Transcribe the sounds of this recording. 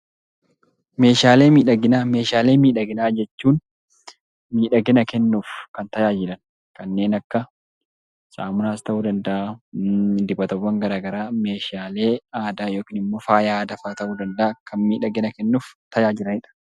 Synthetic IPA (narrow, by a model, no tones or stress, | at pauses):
me̞ːʃaːle̞ːmiːᶑɐɡɪnaːme̞ːʃaːleːmiːᶑɐɡɪnaːd͡ʒɛt͡ʃːuːn | miːᶑɐɡɛnɐkɛnːuːfkɐnt̪ɐjaːd͡ʒɪᶑɐn | kɐnːe̞ːnɐkːɐ | sʼaːmʊnaːst̪ɐʔuːd̪ɐnd̪ɐʔaː | d̪ɪbɐt̪ɐwːɐŋɡɐɾaːɡɐɾaːme̞ːʃaːle̞ːaːd̪aːjo̞ːkiːnɪmːo̞ːfaːjaːd̪ɐfaːt̪ɐʔuːd̪ɐnd̪ɐʔakʰɐnmiːᶑɐɡɛnɐkɛnːuːft̪ɐjaːd͡ʒɪɾɐnɪᶑɐ̥